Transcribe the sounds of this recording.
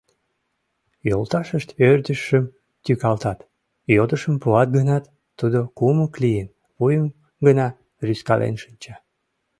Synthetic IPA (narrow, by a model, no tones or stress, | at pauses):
jolt̪ɑʃəʃt̪ørd̪əʃəm | t̪ykɑlt̪ɑt̪ | jod̪əʃəmpuɑt̪̚ɡənɑt̪ː | ud̪okuməklijən | βujəm | ɡənɑ | ryskɑlʔḛnʃɨnʲt͡ɕɑ